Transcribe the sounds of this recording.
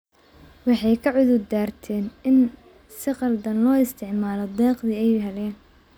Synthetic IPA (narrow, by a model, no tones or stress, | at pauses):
wɑħɑjkʰɐʕʊðʊd̪aːrt̪ʰɛːnɪn | sɪqɑld̪ɐnlɔːɪst̪ʰɪʕmaːlɔd̪ɛːqðiːɛjɦɛlɛːn